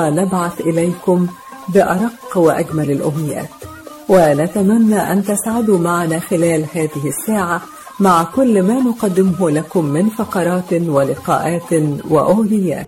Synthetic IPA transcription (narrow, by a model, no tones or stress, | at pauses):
nabʕaθʔɪlajkʊm | bɪʔɑɾˤɑqːwɪʔaɡmalalʔʊmɪja̰ːt̪ | wɪnat̪amanːaːʔant̪asʕad̪umaʕanaːxɪlæːlhaːðɪhɪsːaːʕa | maʕkʊlːmaːnʊqɑd̪ːɪmʊɦʊlakʊmːɪnfɑqɑɾˤɑːt̪walɪqɑ̰ːʔaːt̪wa̰ʔʊhd̪ɪjːa̰ːt̪